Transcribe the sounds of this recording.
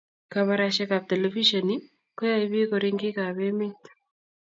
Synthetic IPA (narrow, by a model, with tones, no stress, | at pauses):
ka˨βa˦ɾaʃɛ˦ka˨p̚t̪e˨le˨fi˦ʃɔ˨ni˦ | kɔ˦ja˦i˦bi˦ko˨ɾɪ˦ŋɡɪ˦ka˨be˦mɪ˦t̪